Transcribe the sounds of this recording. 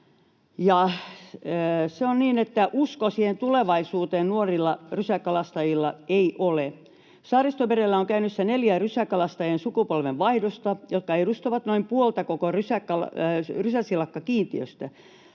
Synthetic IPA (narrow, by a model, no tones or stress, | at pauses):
jɑ | seonniːnet̪ːæʔuskosiːhent̪uleʋɑisuːt̪eːnnuorilːɑrysækɑlɑst̪ɑjilːɑeiʔole | sɑrist̪oʋeɾelːæoŋkæynysːæneljærysækɑlɑst̪ɑjensukupolʋeʋʋɑihdost̪ɑjot̪̚kɑeiɾust̪oʋɑt̪noimpuolt̪ɑkokorysækːɑlrysæsilɑkːɑkiːnt̪iø̰st̪æ